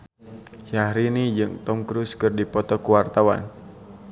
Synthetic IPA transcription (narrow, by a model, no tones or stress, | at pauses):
ʃahɾinid͡ʒɨŋt̪ɔmkɾuskɨrdipɔt̪ɔkuwart̪awa̰n